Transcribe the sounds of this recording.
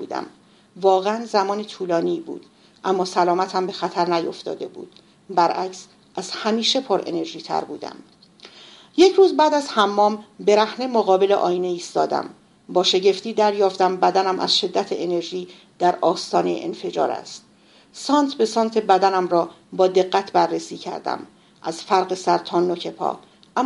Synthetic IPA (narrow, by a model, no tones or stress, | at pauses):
bṵːd̪æ̰m | vɒːɣeænzæmɒːnet̪ʰuːlɒːniːbṵːd̪̥ | ʔæmːɒːsælɒːmæt̪ʰhæmbe̞xæt̪ʰæɾnæjo̞̰ft̪ɒ̰ːd̪e̞bṵːd̪̥̚ | bæɾʔæks | ʔæz̥hæmiːʃe̞pʰoɾḛne̞ɾʒiːt̪ʰæ̰ɾbṵːd̪æ̰m | jecʰɾuːzbæːd̪æzhæmːɒːmbe̞ɾæhnemoɣɒːbe̞leʔɒ̰ːjiːneiːst̪ɒːd̪æ̰m | bɒːʃe̞ɟe̞ft̪iːd̪æɾjɒːft̪æmbæd̪ænæmʔæ̰z̥ʃe̞d̪ːæt̪ʰeʔene̞ɾʒiː | d̪̥æɾɒːst̪ɒːnej̰ʔḛnfe̞d͡ʒɒ̰ːɾæ̰st̪ | sɒːnt̪ʰbe̞sɒːnt̪ʰe̞bæd̪ænæmrɒː | bɒːd̪e̞ɣːæt̪ʰbærːesiːcʰæ̰ɾd̪æ̰m | ʔæzfæɾɢe̞sæɾt̪ʰɒːnːocʰe̞pʰɒ̰ː | ʔæm